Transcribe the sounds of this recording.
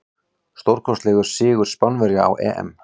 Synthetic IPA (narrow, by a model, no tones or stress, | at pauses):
st̪owɾ̥kʰɔst̪lɛːɣʏɾ̥sɪːɣʏɾ̥spanvɛɾjaa̰wʔɛ̰ːʔɛ̰m